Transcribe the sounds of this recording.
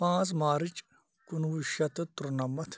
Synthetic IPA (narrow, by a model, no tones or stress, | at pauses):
pãːt͡smaːɾit͡ʃ | kunwuʃɐt̪ɐt̪uɾnɐmɐt̪ʰ